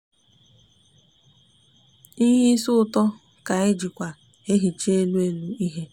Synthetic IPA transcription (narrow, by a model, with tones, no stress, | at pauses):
i˦ɦi˦sʊ˦ʊ˦tɔ˦ | ka˨e˦d͡ʒi˨kʷa˨ | e˦ɦi˨t͡ʃe˦lu˦e˦lu˦i˦ɦe˦